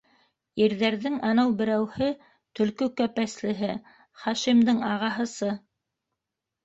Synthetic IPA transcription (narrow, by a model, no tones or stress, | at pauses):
iɾðæɾðɘŋɑnɤwbɘ̆ɾæwhɘ | t̪ɵ̆lkɵkæpæslɘ̆ɦɘ | χɑʃimd̪ɤŋɑʁɑɦɤ̆sɤ